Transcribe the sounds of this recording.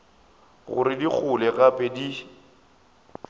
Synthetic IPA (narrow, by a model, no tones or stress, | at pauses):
ɣʊ̰ɾɪdik͡xʰʊlɛɣapʼedi